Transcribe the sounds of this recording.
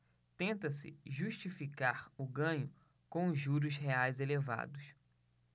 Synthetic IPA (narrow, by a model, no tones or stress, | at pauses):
t̪ẽnt̪ɐsɪ̰ʒuʃt͡ʃifikaɾʊɡɐ̃ɲʊ | kõw̃ʒuɾʊsɦeajzeleva̰d̪ʊs